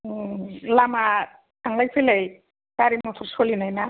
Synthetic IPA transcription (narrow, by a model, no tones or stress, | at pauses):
lama | tʰaŋlajpʰelej | kaɾimɔt̪ʰɔɾsolinajna